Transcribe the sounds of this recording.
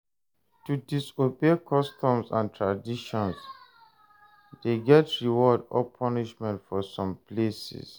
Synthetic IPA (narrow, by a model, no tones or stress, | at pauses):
tudisobekʰɔstɔ̃msã̰ntʰɹadiʃɔ̃ns | deɡɛtɹiwɔdɔ̰pʰɔniʃmɛ̃ntfɔsɔ̃mplesḭs